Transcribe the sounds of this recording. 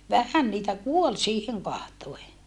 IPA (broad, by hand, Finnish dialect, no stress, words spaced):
ʋæhæn niːtæ kuol siːheŋ kɑhtoe